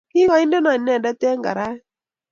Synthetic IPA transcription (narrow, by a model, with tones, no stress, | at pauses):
ki˦ɣa˨i˦nde˦na˨nɛ˨nda˦tɛ˦ŋɡa̰˨ɾa˦